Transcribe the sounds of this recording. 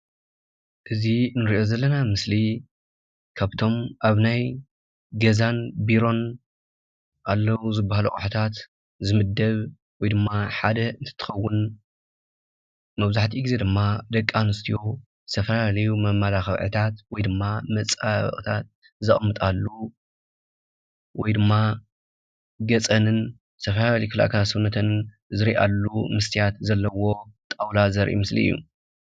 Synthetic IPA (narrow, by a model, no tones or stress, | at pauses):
ʔɨzinɨɾiʔo̞zɐlːɐnamɨsli | kʰaβt̪ʰo̞mʔaβnaj | ɡɐzanbiɾo̞n | ʔalːɐwuzɨbːahaluxʼħt̪ʰat̪ | zɨmɨd̪ːɐβ | wɔjd̪ɨmːaħad̪ɐɨnt̪ʰɨ̥t̪ʰːɨ̥xɐwːʊn | mɐβzaħt̪ʰiɡize̞d̪ɨmːad̪ɐkʼːanɨst̪ʰijo̞ | sʰɐfɐlalɐjumɐmːalaxɐβʕɨ̰t̪ʰat̪wɔjd̪ɨmːamɐt͡sʼaβ̰χʼt̪ʰat̪̚ | zɨχʼmːɨt̪ʼalːu | wɔjd̪ɨmːa | ɡɐt͡sʼɐnɨn | sʰɐfɐlaaljkɨla̰kʰasɐβnːɐt̪ʰɐn | zɨɾiʔa̰lːumɨst̪ʰijat̪zɐlːɐwo̞t̪ʼawlazɐɾʔḭmɨslḭɨjːṵ